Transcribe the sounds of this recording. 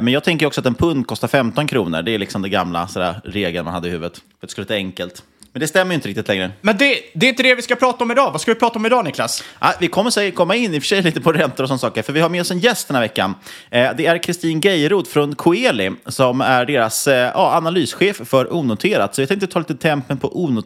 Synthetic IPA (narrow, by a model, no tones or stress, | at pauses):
mɛnjɑːt̪ʰɛŋk̬əjɾɔksɔat̪ɛnpʰɵnd̪̚kʰɔst̪aɾfɛmt̪ɔnkʰɾṵːnə̰ɖɛælɪksɔmd̪ɛɡamla̰saɾa̰ɾeːɡlənmanha̰d̪ːəɪhʉ̟ːvət̪ | ɾt̪skɵlɛt̪ːaɛŋkəlt̪ | mɛnd̪ɛst̪ɛmːəjʏnt̪əɾɪk̚t̪ɪt̪lɛŋɾəmɛnd̪ɛd̪ɛɾɪnt̪əd̪ɛvɪskapʰɾɑːt̪aɔmɪd̪ɑːvaskavɪpʰɾɑːt̪ɔmɪd̪ɑːnɪkla̰sʔavɪkʰɔmːəʂɛjəkʰɔmːaɪnːɪfœ̥ʂɛjliːt̪əpʰɔɾɛnt̪ʊɾɔsɔnasɑːkəɾfœɾvɪhaɾmeːɔsɛnjɛst̪d̪ɛnhaɾvɛkːa̰nd̪ɛæɾkʰɾɪst̪iːnɡɛjɾuːd̪fɾɔnkʰʊeːlɪsɔmæɖeːɾasjɑ̰ːanalyːsɧeːffœɾʔuːnʊt̪ʰeːɾad̪sɔvjɪt̪anɪk̪t̪ət̪ʰɑːliːt̪ət̪ʰɛmpənpʰɔʔuːnʊ